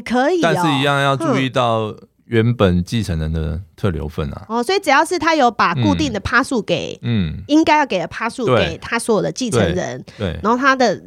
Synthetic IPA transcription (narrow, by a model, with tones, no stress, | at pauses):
kʰə˧˦i˨˥˧ɻ̩˥˨i˧˥jɑ˥˧ŋjɑ˥˧ʊʈ͡ʂu˥˧˥i˥˧t̪ɑ˥˨ʊ | ɥɛ˨˦˥npə˨˩nt͡ɕi˥˩t͡sʰə˧˦ŋnɻə˧˦nd̪ə̰˨t̪ʰɤ˥˩ljo̰˧˥ʊfə̰˥˩nɐ̰˩ɔ˥˨˩swɔ˧˥i˨˩ʈ͡ʂɻ̩˨˩jɑ˥˧ʊʂɻ̩˥˩t̪ʰa˥jo˧˥ʊpa˨˩ku˥˧t̪i˥˩ŋd̪ə˨˩pʰa˥su˥˩ke˨˩˦ɪ˥˩i˦ŋka˥ɪjʊke˨˩ɪd̪ə˨˩pʰa˥su˥˩˨we˥˨ḛ˨˩ɪt̪ʰa˥swɔ˦˥jɔ˨˩d̪ə˦t͡ɕi˥˩t͡s̪ʰə˧˦nɻə̰˧˦nwe˥˩ɪa˧˥xo˥˩ʊt̪ʰa˥d̪ə˨